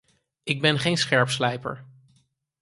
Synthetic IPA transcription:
ɪɡ̚bɛnχejnsχɛɹpslɛjpə̰ɹ

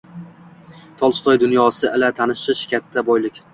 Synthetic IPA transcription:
t̪ʰɒlˠst̪ʰɒjd̪ʊnjɒsɪʔɪlat̪ʰanɪʃɪʃkʲʰat̪ʰːabojlɪkʲ

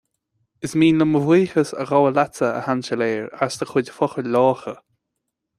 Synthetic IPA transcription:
ɪsmiːnləməvwiːxəsə̰ɣɔwəlat͡səə̰hant͡ʃəleːɹasd̪əxʊdfɔxəlɔːxə

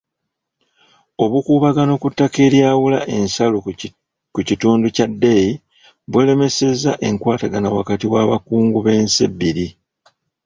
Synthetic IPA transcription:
o̞βukuːβaɡano̞kutːake̞ːljaːwulaʔe̞nsalu | kucituːnducadːeji | βwele̞me̞se̞zaʔe̞ŋkwaːtaɡanawakatiwaːβakuːŋɡuβe̞ːnse̞̰bːiɾi

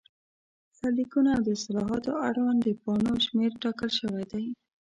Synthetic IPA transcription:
salikunaawd̪əsalɑɦɑt̪oaɽwand̪əpɑnoʃmeɾʈɑkəlʃəwajd̪aj

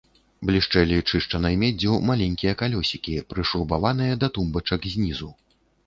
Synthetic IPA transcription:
blʲiʂt͡ʂɛjlʲit͡ʂɨʂt͡ʂɐnɐjmʲɛd͡zʲumalʲɛnʲkʲijɐkalʲɔsʲikʲipɾɨʂɾubavan̪ɨjɐd̪ɐt̪umbɐt͡ʂɐkzʲnʲizu

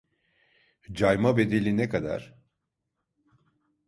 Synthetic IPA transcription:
d͡ʒajmabe̞d̪elʲinekad̪a̰ɾ̥

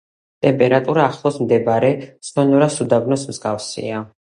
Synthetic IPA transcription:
t̪ʼɛmpʼɛɾat̪ʼuɾaːχlˠɔsmd̪ɛbaɾɛsɔnɔɾasud̪abnɔsmzɡafsḭa

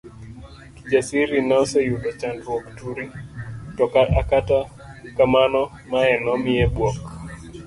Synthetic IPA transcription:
kid͡ʒasiɾinasɔjuɗɔt͡ʃandɾuɔktuɾitɔkaakata | kamanɔ | maɛnɔmiɛɓwɔk

